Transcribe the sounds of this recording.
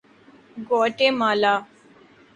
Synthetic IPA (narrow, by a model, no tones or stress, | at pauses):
ɡoːʈeːmaːlaː